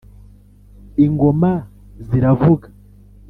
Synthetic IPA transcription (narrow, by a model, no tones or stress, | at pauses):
iŋɡo̞ma | ziɾavuɡḁ